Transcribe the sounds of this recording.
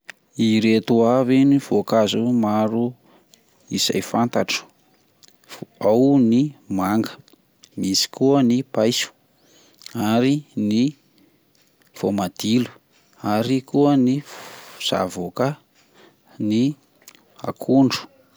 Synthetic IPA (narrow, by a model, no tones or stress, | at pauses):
iɾet̪uaviniv̥okazumaɾu | isa̰jfant̪aʈ͡ʂə̥ | awnimaŋɡə̥ | misi̥kuənipajsu̥ | aɾini | v̥omad̪̥ilu̥ | aɾikuəniz̥a̰voka | ni | a̰kʰuɳɖ͡ʐu̥